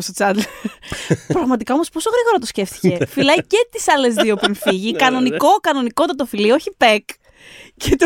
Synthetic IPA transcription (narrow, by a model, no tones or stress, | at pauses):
ost̪ot͡sɐd̪l | pɾɐɣmɐt̪ikɐomo̞spo̞so̞ɣɾiɣo̞ɾɐt̪osce̞ft̪i̥ce̞filɐice̞t̪isɐle̞zðio̞pinfiʝikɐno̞niko̞kɐno̞niko̞t̪ɐt̪ofilio̞çipe̞k | cet̪o